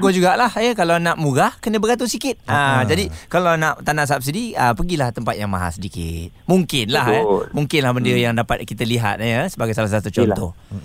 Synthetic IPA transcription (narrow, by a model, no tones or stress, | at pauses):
ɡod͡ʒuɡaʔlahəkalawnãʔmuɡahkənə̃bəɡat̪usikɪt̪̚ad͡ʒadikalawnãʔt̪anaʔs̬ap̚sidiəpəɡilaht̪əmpat̪̚jaŋmaɦa̰sədikɪ̰t̪muŋkɪnlaɦemuŋkɪnlahbəndiəjaŋdapat̪̚kit̪əliɦa̰t̪̚səbaɡajsalasalat̪ət͡ʃɔnɔh